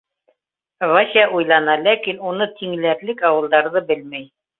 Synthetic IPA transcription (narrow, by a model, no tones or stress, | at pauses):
vasaʔujlˠɑnɑlækinunɤt̪ʰiŋ̆læɾlɘkɑwɤ̆lˠd̪ɑɾðɤbɘlmæj